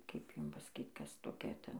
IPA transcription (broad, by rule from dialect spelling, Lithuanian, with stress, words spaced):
kɐɪp ˈjʊm pɐsɐˈkʲiːt ˈkɐs toːˈkʲɛ ˈtʲɛn